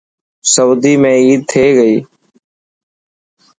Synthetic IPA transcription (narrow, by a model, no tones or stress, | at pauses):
səːd̪iːmẽːiːd̪̚t̪ʰeːɡəiː